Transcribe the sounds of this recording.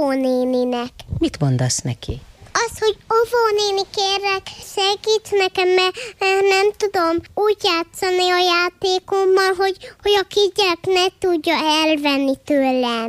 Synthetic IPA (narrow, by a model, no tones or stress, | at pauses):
oneːninɛkmit̪mo̞nd̪ɒsnɛkʰiɒsho̞ɟovoːneːnikeːrːɛkʃɛɡiːt̪nɛkɛmːɛɛnɛmt̪ud̪o̞muːɟjaːt̪sɒniɒjaːt̪eːkomːɒlɦo̞ɟho̞ɟɒkiɟɛknɛt̪uɟːɒɛlvɛnːit̪øːlɛn